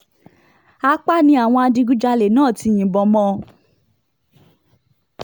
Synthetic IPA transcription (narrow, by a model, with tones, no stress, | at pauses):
a˧˦k͡pa˦˨nĩ˧˦a˨w̃ɔ̃˧a˧dĩ˧ɡu˦d͡ʒa˧le˨nãː˦˨ti˧j̃ĩ˨bɔ˨˦mɔ̃˦˧